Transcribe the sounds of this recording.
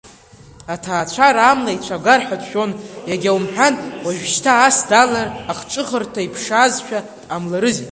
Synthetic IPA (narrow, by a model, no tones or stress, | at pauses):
atʰaːt͡ʃʷʰaɾaaːmlait͡ɕʷʰaɡarħʷatʰʼʃᶣo̞njaɡʲawmħʷᶣanwaʒᶣʃtʰaːsdalaraχʈ͡ʂʼɨχərtʰaipʰʂazʃʷᶣaː | mlaɾɨzitʼ